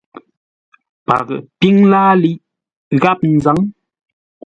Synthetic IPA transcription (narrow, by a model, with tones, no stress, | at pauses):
pa̰˨ɣə̰˨pi˦ŋlaː˦li˦ʔ | ɣa˦p̚n̩˨za˨˦ŋ